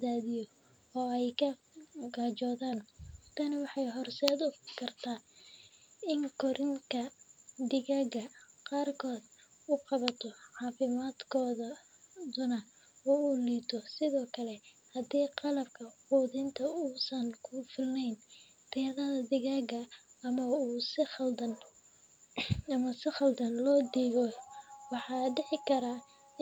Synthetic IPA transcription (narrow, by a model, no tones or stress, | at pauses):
d̪aːðɪjɔ | ɔːɛjkʰɐ | ɡaːt͡ʃɔːðaːnt̪ʰɐnɐwɑħɑjɦɔrsɛːd̪ʊkʰɐrt̪ʰaː | ɪŋkʰɔɾʔɪnt̪ʰɐd̪ɪɣaːɣɐqɑːrkʰɔːd̪ | ʊqɑβɐt̪ʰɔʕɑːfɪmaːd̪kʰɔːðɐ | d̪ʊnɐ | uːuliːt̪ʰɔsɪðɔːkʰɐlɛ | hɐd̪iːqɑlɐbkʰɐħuːðɪnt̪ʰɐuːsɐnkʰʊfɪlnɛjn | rɛːðɐðɐd̪ɪɣaːɡɐmɐuːsɪɐld̪ɐn | ɐmɐsɪχɑld̪ɐnlɔːd̪iːɣɔwɑħɑːɖɪħɪkʰɐɾa